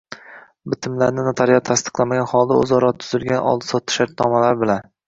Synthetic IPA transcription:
bɪt̪ʰɪmlaɾnɪnat̪ʰaɾjat̪ʰast̪ɨ̥qlˠamaɡʲanχɒlˠd̪ao̰zɒɾɒt̪ʰʊzɪlɡʲanʔɒ̰lˠd̪ɪ̥sɒt̪ʰːɪ̥ʃaɾt̪̚nɒmalaɾbɪlan

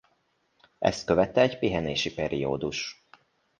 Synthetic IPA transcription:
ʔɛ̰st̪̚køvɛt̪ːɛːɟpiɦɛneːʃipɛɾio̰ːd̪uʃ

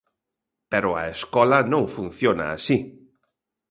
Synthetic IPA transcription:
peɾʊa̰eskɔlɐnõŋfun̟θjona̰ːsi

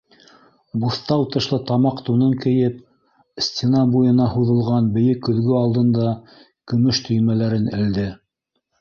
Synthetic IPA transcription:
buθt̪ɑwt̪ɤ̆ʃlˠɤt̪ɑmɑqt̪unɤŋkɘ̆jɘp | sʲt̪ʲenɑbujɤ̆nɑhuðɤ̆lˠʁɑnbɘ̆jɘkːɵ̆ðɡɵɑlˠd̪ɤ̆nd̪ɑ | kɵ̆mɵʃt̪ɵ̆jmælæɾɘnɘ̆ld̪ɘ

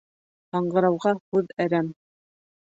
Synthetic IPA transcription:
ɑɴɢɤ̆ɾɑwʁɑhʉðæɾæm

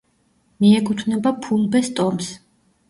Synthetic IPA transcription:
miɛkʰʼut̪ʰvnɛbapʰulˠbɛst̪ʼɔms

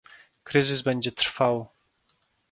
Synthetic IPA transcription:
kɾɘzɘzbɛɲd͡ʑɛt̪ɾfaw

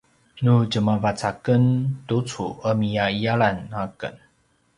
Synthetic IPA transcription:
nud͡ʒəmavat͡sakəntut͡suəmijaiaɭanakə̰n

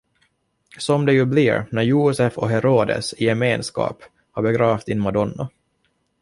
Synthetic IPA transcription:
sɔmd̪ɛjɵbliɾnæɾjuːsɛfɔɦɛɾoːd̪ə̰sɪjɛmeːnskɑ̰ːp | haɾbɛɡɾɑːft̪ɪnmad̪ɔnːa̰

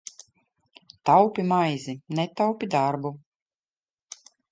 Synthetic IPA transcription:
t̪awpʲimajzinɛt̪awpʲid̪aɾbu

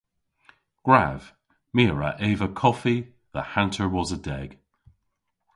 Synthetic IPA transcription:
ɡ̥ɹav̥ | miːɹə̰ʔeːvəkʰɔfi | ðəhãntʰə˞wɔzədɛɡ̥

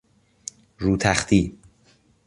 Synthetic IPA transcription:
ɾuːt̪ʰæχt̪ʰiː

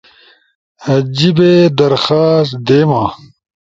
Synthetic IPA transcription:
ɐd͡ʑibed̪ɐɾxaːst̪d̪eːmãː

